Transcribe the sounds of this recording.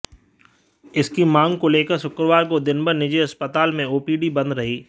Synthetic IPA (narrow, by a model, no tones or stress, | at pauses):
ɪskimãːŋɡkoleːkəɾsʊkɾəʋaːɾkod̪ɪnbʱəɾnɪd͡ʒeɐspət̪aːlmẽoːpiːɖibɐ̃nd̪ɾɐɦiː